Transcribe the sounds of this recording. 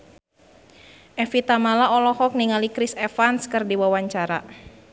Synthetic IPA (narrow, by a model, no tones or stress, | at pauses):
ʔɛfit̪amalaɔlɔhɔk̚niŋalikɾisɛfanskɨrdiwawaɲt͡ʃaɾa